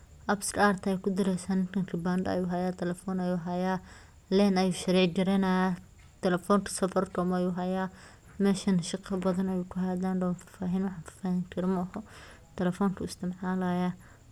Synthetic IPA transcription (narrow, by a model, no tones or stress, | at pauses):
ʔɐbst̪ɾaːrt̪ʰɐɛjkʰʊd̪ɪɾɛsaːnɪnt̪ʰɐŋkʰɪbaːnd̪ɐɐ̰juːɦɐjaːt̪ʰɛlɛfɔːnɐjuːɦɐjaː | lɛːnɐjuːʃɐɾɛːʕd͡ʒɐɾɛnaja | t̪ʰɛlɛfɔːnk̪ʰɐ̥sɐfɐrt̪ʰɔmɐjuːɦɐjaː | mɛːʃɐnʃɪqʰɐbɐðɐnɐjuːkʰʊɦaːd̪aːnɖɔwnfḁfaːɦiːnwɑħɑ̃ːnfḁfaːhɪŋkʰɐɾmɐhɔ | t̪ʰɛlɛfɔːŋkʰɐɪst̪ʰɪmħalɐjɐ